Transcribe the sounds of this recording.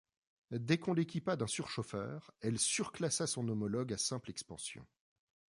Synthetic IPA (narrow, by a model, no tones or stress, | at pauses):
d̪ɛkɔ̃lekʲipad̪ɛ̃syʁʃofœ̰ːʁɛlsyʁklasasɔ̃nɔmɔlɔɡasɛ̃plɛkspɑ̃sjɔ̰̃